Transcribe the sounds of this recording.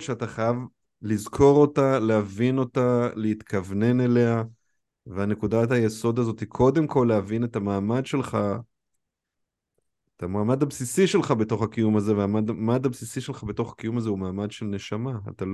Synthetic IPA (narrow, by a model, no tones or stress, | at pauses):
ʃeataχajav | lizkʰo̞ʁo̞taleavino̞taleit̪kavne̞ne̞le̞a | veane̞kudathaje̞so̞d̪azo̞t̪ikʰo̞d̪e̞mkʰo̞lːeavine̞tamaːmad̪ʃe̞lχa | etamaːmad̪absisiʃe̞lχabe̞to̞χakijumaze̞veamadmad̪absisiʃe̞lχabe̞to̞χḁkijumazeumaːmad̪ʃe̞lne̞ʃama̰ːtal